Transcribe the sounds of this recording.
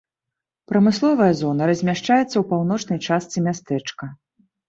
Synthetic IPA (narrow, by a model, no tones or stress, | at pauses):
pɾɐmɨslˠɔvɐjɐzɔnɐɾɐzʲmʲaʂt͡ʂajɛt̪sːɐwpawnɔt͡ʂnɐjt͡ʂast̪sɨmʲast̪ɛt͡ʂkɐ